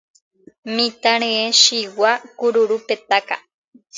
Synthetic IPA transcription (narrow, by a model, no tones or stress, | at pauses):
mĩt̪aɾ̃ẽeʃiwakuɾuɾupet̪aka̰